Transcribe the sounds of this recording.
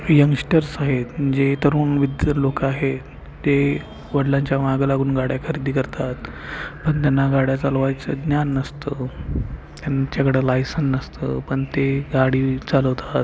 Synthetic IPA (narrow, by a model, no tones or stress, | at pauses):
jəŋɡsʈəɾsaɦet̪d͡ʑet̪əɾuːnʋid̪jəlokaɦe | t̪e | ʋəɽlãɲt͡ɕjaʋaɡlaɡuːnɡaɽjakʰəɾid̪iːkəɾt̪at̪ | pəɳt̪janːaɡaɽjat͡salʋajt͡səɡnjanːəst̪ə | t̪jant͡ɕakəɽəlajsənːəst̪ə̰pəɳt̪eɡaɽiːt͡saləʋt̪ʰat̪̚